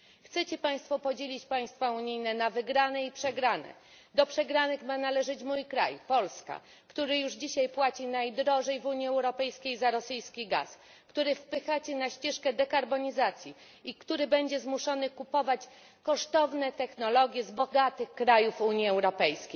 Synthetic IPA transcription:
xt̪sɛt͡ɕɛpaj̃st̪fɔpɔd͡ʑelʲit͡ɕpaj̃st̪fauɲijnɛnavɘɡɾanɛipʂɛɡɾanɛ̰ | d̪ɔpʂɛɡɾanɘxmanalɛʐɘt͡ɕmujkɾa̰jpɔlska̰ | kt̪uɾɘjuʐd͡ʑiɕajpwat͡ɕinajd̪ɾɔʐɛjvuɲiɛwɾɔpɛjskʲejzaɾɔsɘjskʲiɡa̰s | kt̪uɾɘfpɘxat͡ɕɛnaɕt͡ɕɛʂkɛd̪ɛkaɾbɔɲizat̪sʲji | ikt̪uɾɘbɛɲd͡ʑɛzmuʂɔnɘkupɔvat͡ɕ | kɔʂt̪ɔvnɛt̪ɛxnɔlɔɡʲjɛzbɔɡat̪ɘxkɾajufuɲiɛwɾɔpɛjskʲejj

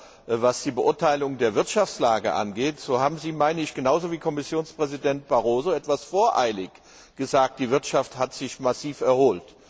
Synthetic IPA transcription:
vasd̥iːbəʔʊɐtʰaɪlʊŋdeːɐvɪɐtʃaft͡slaːɡə̰ʔa̰nɡeːtz̥oːhaːbm̩ziːmaɪnəɪçɡ̥ənaʊzoviːkʰɔmɪsjoːnspʁ̥ɛzidɛnt̚b̥aʁoːzoɛtv̥asfoːɐʔaɪlɪç | ɡ̥əzaːk̚t̚d̥iːvɪɐtʃafthatz̥ɪçmasiːfɛɐhoːlt

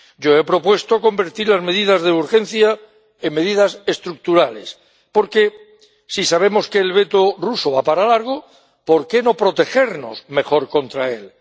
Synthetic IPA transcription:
ɟ͡ʝo̞e̞pɾo̞pwe̞st̪oko̞mbe̞ɾt̪iɾlazme̞ð̞ið̞azðeuɾxe̞n̟θja | emːe̞ðiðase̞st̪ɾuk̚t̪uɾale̞s | po̞ɾke̞ | sisaβ̞e̞mo̞ske̞ːlβe̞t̪o̞ruso̞βapaɾalaɾɣ̞o̞ | po̞ɾke̞no̞pɾo̞t̪e̞xe̞ɾno̞̰sme̞xo̞ɾko̞nt̪ɾae̞̰l

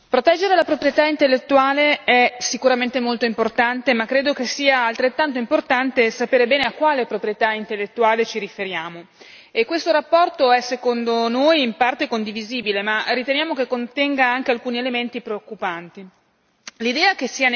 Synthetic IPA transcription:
pɾot̪ɛd͡ʒːeɾelapɾopɾijet̪aint̪elːet̪ːuaːleɛsikuɾament̪emolt̪oimport̪ant̪emakːɾeːd̪okesiːaːlt̪ɾet̪ːant̪oimport̪ant̪esapeːɾebɛːneakːwaːlepɾopɾijet̪aint̪elːet̪ːuaːlet͡ʃiɾifeɾjaːmo | ekːwest̪oɾapːɔrt̪oɛsːekond̪onoːjimpart̪ekond̪iviziːbilemarːit̪enjaːmok̟ekːont̪ɛŋɡaaŋk̟ealkuːnielement̪ipɾeokːupant̪i | lid̪ɛːakesiːan

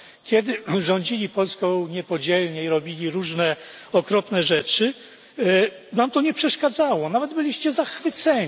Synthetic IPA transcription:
kʲɛd̪ɘʐɔɲd͡ʑilʲipɔlskɔ̃w̃ɲɛpɔd͡ʑɛlɲɛiɾɔbʲilʲiɾuʐnɛ | ɔkɾɔpnɛʐɛt͡ʂɘ | namt̪ɔɲɛpʂɛʂkad̪zawɔnavɛd̪bɘlʲiɕt͡ɕɛzaxfɘt̪sɛɲ

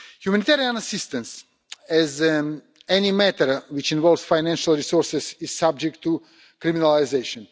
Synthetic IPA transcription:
hjumænit̪ɛɾiãnasɪst̪ə̃ns | ɛz | ɛnimæt̪əɾwɪt͡ʃĩnvɔlˠvz̥fajnæ̃nʃalˠɹisɔɹsɛsiz̥sab̚d͡ʒɛk̚tʰːu | kɾiminalajzeʃɔ̃n

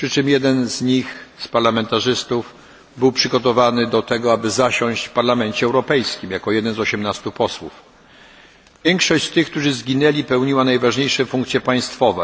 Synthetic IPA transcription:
pʂɘt͡ʂɘmjɛd̪ɛnzɲixspaɾlamɛnt̪aʐɘst̪uf | bɘwpʂɘɡɔt̪ɔvanɘd̪ɔt̪ɛɡɔabɘzaɕɔ̃ɕt͡ɕfpaɾlamɛnt͡ɕɛɛwɾɔpɛjskʲimjakɔjɛd̪ɛnzɔɕɛmnast̪upɔswṵf | vʲjɛŋkʂɔɕt͡ɕst̪ɘxk̚t̪uʐɘzɡʲinɛlʲipɛwɲiwanajvaʐɲejʂɛfuŋkt̪sʲjɛpaj̃st̪fɔvɛ̰

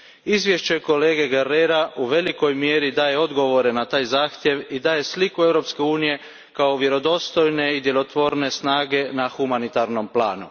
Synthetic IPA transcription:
izʋjeʃt͡ɕe̞ko̞le̞ːɡe̞ɡeɾeɾaʔuʋe̞liko̞jmjeːɾid̪aːje̞o̞d̪ɡo̞ʋo̞ɾenat̪aːjzaːxt̪je̞ʋid̪aːje̞slikuewɾopske̞uːnije̞ | kao̞ʋje̞ɾo̞d̪o̞st̪o̞jne̞id̪je̞lot̪ʋo̞ɾne̞snaːɡe̞naxumanit̪aɾno̞mplaːnṵ

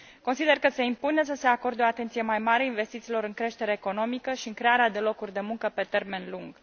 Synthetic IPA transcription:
ko̞nsid̪e̞rkəse̞impune̞s̬əse̞ako̞rd̪eoat̪e̞nt̪sije̞majmaɾeainve̞st̪it̪siːlo̞ɾɨŋkɾe̞ʃt̪e̞ɾeːko̞no̞mikəʃiɨŋkɾe̞aɾead̪e̞lo̞kurʲd̪e̞muŋkəpe̞t̪e̞rme̞nluŋɡ̥

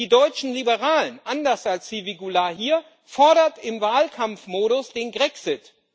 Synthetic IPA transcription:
iːdɔʏt͡ʃn̩libəʁaːlənʔandɐsalsz̥iviɡulaɦiːɐ | fɔɐɾɐtɪmvaːlkʰamfmoːɾʊsd̥eːnɡʁɛksɪt

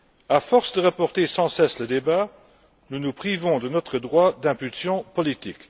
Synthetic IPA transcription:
afɔʁsd̪əʁapɔʁt̪esɑ̃sɛsləd̪eba | nunupχivɔ̃d̪ənɔt̪χəd̪ʁwad̪ɛ̃pylsjɔ̃pɔlit̪ik

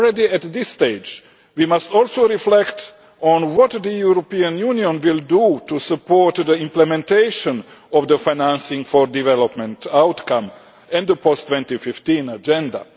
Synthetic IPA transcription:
ɹɛdiæt̪d̪ɪst̪eɪd͡ʒ | wimastɔlˠsoɾiflɛkt | ɔ̃nwɔt̪d̪əjuɾopiãnjuniɔ̃nwɪldutusəpɔɹt̪d̪əɪ̃mplɛmɛ̃nteɪʃə̃nɔvd̪əfajnæ̃nsɪ̃ŋfɔɹdivɛlɔpmɛ̃ntawtkãm | ɛ̃nd̪əpʰɔst̪ʰːwɛ̃ntifɪft̪ĩnad͡ʒɛ̃nda̰

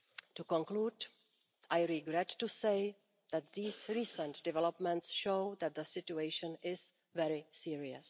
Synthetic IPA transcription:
tukɔ̃ŋkluːd | ʔajɾɪɡɾɛtːuseɪ | ðæt̪̚ðiːsɹisə̃ntdɛvɛlopmɛ̃ntsʃowðɛt̪̚d̪əsɪtueɪʃə̃nɪz | vɛɾɪsiɹiəs

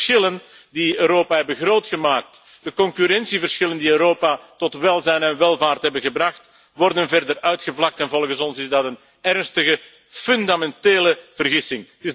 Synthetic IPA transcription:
xɪlən | diøːɾoːpaɦɛbəɣroːtxəmaːk̚t | d̥əkɔŋkyɾɛnsivərsxɪləndiøːɾoːpatɔtʋɛlˠzɛjnɛnʋɛlˠvaːrtɦɛbəɣəbrɑxt | ʋɔrdənvɛrdərœɥtxəvlɑk̚tɛnvɔlˠɣəsɔnsɪzdɑtən | ɛrnstəɣə | fʏndamɛnteːləv̥ərɣɪsɪŋətɪ

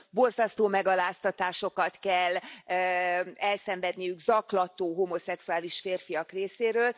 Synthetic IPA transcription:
bo̞rzɒst̪oːmɛɡɒlaːst̪ɒt̪aːʃo̞kɒt̪kɛlː | ɛlsɛɱvɛd̪nijyɡzɒklɒt̪oːɦomo̞sɛksuaːliʃfeːrfijɒkreːseːɾøːl

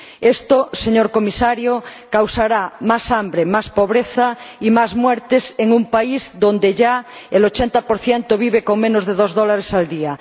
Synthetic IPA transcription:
est̪oseɲoɾkomisaɾjokawsaɾamasambɾemaspoβɾeθaimazmwɛɾt̪eseŋumpaizd̪ond̪eʎaelot͡ʃent̪apoɾθjent̪oβ̞iβekoŋmẽnozðeðozðolaɾesald̪ia

